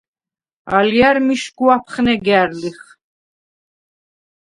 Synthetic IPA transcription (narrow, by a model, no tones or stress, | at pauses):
a̰liaɾmiʃɡuapʰχnɛɡɛaɾliχ